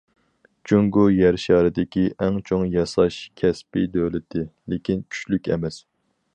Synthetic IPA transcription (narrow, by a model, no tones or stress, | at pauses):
t͡ʃʰyŋɡujæɾʃɑːɾɨd̪ɪkʲiʔɛŋt͡ʃʰoŋjɑsɑʃkʲʰɛspɪd̪øːlɪt̪ʰːɪlekʲinkʲʰy̥t͡ʃlykʲɛ̰mɛs